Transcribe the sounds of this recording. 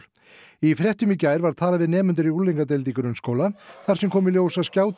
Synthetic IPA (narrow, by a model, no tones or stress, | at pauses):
ifɾjɛht̪ʏmicaːjɾvaɾ̥t̪ʰaːlavɪðnɛːmʏnt̪ʏɾiuliŋkat̪̬ɛlt̪ikʏɾʏnskoːwlaθaɾsɛmkʰɔːmɪljoːwsaðscaːwt̪